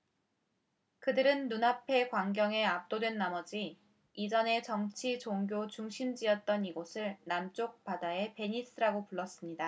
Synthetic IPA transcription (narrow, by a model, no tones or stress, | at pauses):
kɯdɯɾɯnːunapʰe̞kwaŋɡjʌŋe̞ap̚t͈odwe̞nːamʌd͡ʑi | id͡ʑʌne̞t͡ɕʌŋt͡ɕʰit͡ɕoŋɡjot͡ɕuŋɕʰimd͡ʑiʌt̚t͈ʌniɡosʰɯɭnamt͡ɕ͈ok̚p͈adae̞pe̞ɲis͈ʰɯɾaɡopuɭːʌs͈ɯmɲida